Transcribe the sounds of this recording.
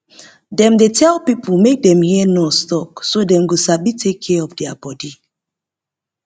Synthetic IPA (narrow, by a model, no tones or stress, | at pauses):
dɛ̃mdetʰɛlpipʰulˠmek̚dɛ̃mhiənostɔksodɛ̃mɡosabitʰekʰːɛɔfdɛabɔdi